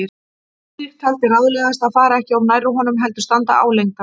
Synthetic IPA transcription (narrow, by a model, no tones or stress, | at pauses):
ɪɾ | ɪɾkʰalt̪ɪraðlɛːɣast̪aðfaːɾaɛhcɪɔwnaːjɾʏɦɔnʏmɦɛlt̪ʏ̥st̪ant̪a̰a̰wlejŋka